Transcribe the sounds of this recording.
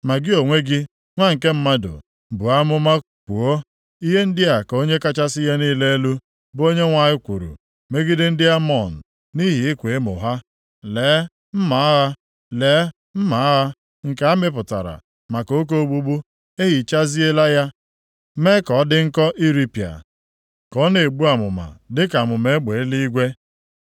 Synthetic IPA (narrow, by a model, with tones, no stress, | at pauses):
ma˨ɡɪ˦o˨ŋʷe˦ɡɪ˦ | ŋʷa˦ŋ̩˨ke˦m̩˦ma˦dʊ̰˨ | bu˨a˦mʊ˦ma˦ | kʷu˨o˦ | i˦ɦe˦n̩˦dɪ˦a˨ko˦ɲe˦ka˦t͡ʃa˦sɪ˦ja˦niː˦le˦e˦lu˦ | bo˦ɲe˦ŋʷa˨ɲɪ˦kʷṵ˨ɾṵ˨ | me˦ɡɪ˦dɪ˦n̩˦dɪ˦a˦mɔ˦˨n̩˨ | ni˦ɦi˨ɪ˦kʷe˨e˦mʊ̰˨ɦa˦ | leː˨˦ | m̩˦ma˨a˦ɦa˦ | leː˨˦ | m̩˦ma˨a˦ɦa˦ | ŋ̩˨ka˨˦a˦mɪ˦p̬ʊ˨ta̰˨ɾa̰˨ | ma˨ko˨˦k̬o˦ɡ͡bu˦ɡ͡bu˦ | e˦ɦi˨t͡ʃa˦zi˦e˦la˦ja˦ | me˦kɔ˨˦dɪ˦ŋ̩˦kɔ˦ʔi˦ɾi˦pja̰˨ | kɔ˦ne˨ɡ͡bu˦a˨mʊ̰˨ma̰˨dɪ˦ka˨mʊ˨me˨˦ɡ͡be˨˦li˦ɡʷe˦